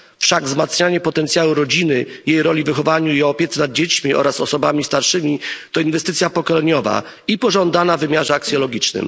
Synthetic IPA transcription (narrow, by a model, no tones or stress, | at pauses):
fʂaɡvzmat̪sɲaɲɛpɔt̪ɛnt̪sjawuɾɔd͡ʑinɘjejɾɔlʲivɘxɔvaɲuiɔpʲjɛt̪snad̪̚d͡ʑet͡ɕmʲiɔ̰ɾasɔsɔbamʲist̪aɾʂɘmʲit̪ɔinvɛst̪ɘt̪sʲjapɔkɔlɛɲɔva̰ | ipɔʐɔnd̪anavɘmʲjaʐɛaksjɔlɔɡʲit͡ʂnɘ̰m